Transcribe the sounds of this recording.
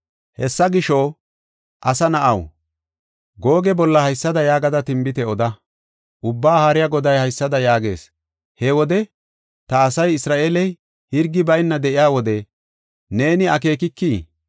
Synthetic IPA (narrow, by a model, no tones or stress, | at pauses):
hɛsːɐɡɪʃɔ | ʔɐsɐnɐʔɐw | ɡo̞ːɡɛbɔlːɐhɐjsːɐd̪ɐjaːɡɐd̪ɐt̪ɪmbɪt̪ɛɔd̪ɐ | ʔʊbːaːhaːɾɪjaɡɔd̪ɐjhɐjsːɐd̪ɐjaːɡe̞̰ːs | hɛwɔd̪ɛ | t̪ɐːsɐjɪsɾaːʔeːlɛj | hɪɾɡːɪbɐjnːɐd̪ɛʔɪjaːwɔd̪ɛ | ne̞ːnɪɐke̞ːkɪkːiː